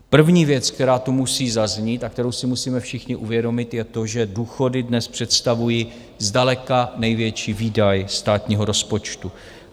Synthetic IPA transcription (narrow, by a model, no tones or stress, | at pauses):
pr̩vɲiːvjɛt͡skt̪ɛɾaːt̪umusiːzazɲiːt̪ak̚t̪ɛɾo̞wsɪmusiːmɛfʃɪxɲɪʔuvjɛdo̞mɪt̪jɛt̪oʒɛduːxo̞dɪdnɛspr̝̥ɛt̪st̪avuji | zdalɛkanɛjvjɛt͡ʃiːviːdajst̪aːt̪ɲiːɦo̞ɾo̞spo̞t͡ʃt̪u